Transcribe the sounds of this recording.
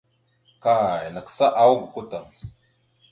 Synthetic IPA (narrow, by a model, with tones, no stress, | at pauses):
ka˨jnə˨ksa˦ʔa˨wu˦ɡu˨ku˦ta˨ŋ